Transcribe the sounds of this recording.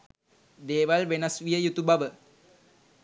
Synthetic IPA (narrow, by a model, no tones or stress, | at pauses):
d̪eːʋalʋenasʋijəjut̪ubaʋə